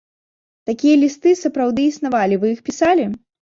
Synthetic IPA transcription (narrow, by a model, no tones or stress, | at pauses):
t̪akʲijɐlʲist̪ɨsɐpɾawd̪ɨisnavalʲivɨjixpʲisalʲi